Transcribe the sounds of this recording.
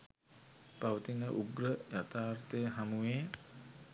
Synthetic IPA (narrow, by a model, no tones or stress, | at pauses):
paʋət̪inəʔuɡrəjat̪aːrt̪əjəɦamuʋeː